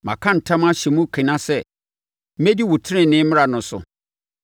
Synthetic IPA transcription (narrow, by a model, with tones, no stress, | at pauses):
mã̰˨kʰã˦n̩˨tʰã˦mã˦ɕɛ˨mʊ̃˦kʰɪ̃˨nã˦sɛ˨˦ | me˦di˦wʊ˨tʰɪ˦ɪ̃˦nɪ̃˦mɪ̃˦ɾa˨nʊ̃˨˦sʊ̰˨